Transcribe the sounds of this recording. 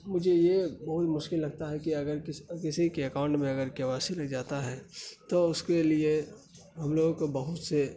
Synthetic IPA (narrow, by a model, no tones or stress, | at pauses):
mʊd͡ʒʱejebɐɦʊt̪mʊʃkɪlːɐɡ̚t̪aɦɛkiɐɡəɾɪskɪsikeɐkãːʊ̃ɳʈmẽɐɡəɾkjaʋaːsilɐɡd͡ʒaːt̪aɦɛt̪oʊskelie | ɦɐmloːɡkbɐɦʊt̪se